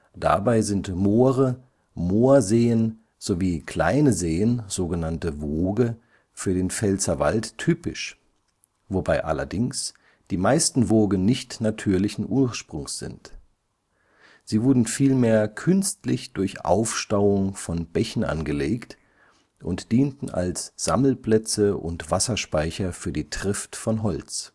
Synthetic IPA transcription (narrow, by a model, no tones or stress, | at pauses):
d̥a̰baɪzɪntmoːʁə | moːɐzeːən | z̥oviːkʰl̥a̰ɪnəzeːənz̥oːɡənantəvoːɡə | fyːɐdeːnfɛlt͡sɐva̰lttʰyːpɪ̰ʃ | vobaɪʔa̰lɐ̰dɪŋs | d̥iːmaɪstn̩voːɡənnɪçtnatʰyːɐlɪçn̩ʔuːɐʃpʁ̥ʊŋsz̥ɪ̰nt | z̥iːvʊɐdn̩fiːlmeːɐkʰʏnstlɪçd̥ʊɐçʔa̰ʊfʃtaʊʊŋfɔnb̥ɛçn̩ʔa̰nɡəleːkt | ʔʊntd̥iːntn̩ʔa̰lsz̥a̰ml̩pl̥ɛt͡səʔʊ̰ntv̥asɐʃpaɪçɐfyːɐdiːtʁ̥ɪftfɔnɦɔlt͡s